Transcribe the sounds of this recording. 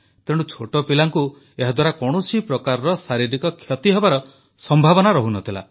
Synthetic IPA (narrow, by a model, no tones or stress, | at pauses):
t̪eɽ̃ut͡ʃʰoʈɔpilaŋku | eɦad̪waɾakɔɽ̃ɔsipɾɔkaɾɔɾɔsaɾiɾikɔkʰjɔt̪iɦebaɾɔ | sɔmbʱabɔnaɾɔɦunɔt̪ʰila̰